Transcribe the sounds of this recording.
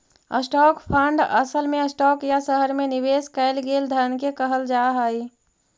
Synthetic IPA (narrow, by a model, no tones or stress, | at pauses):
ə̰sʈɔːkpʰaɳɖə̰səlmẽəsʈɔːkjasəɦəɾmẽnɪweːskəɪlɡeːld̪ʱənkekəɦəld͡ʒaːɦaːiː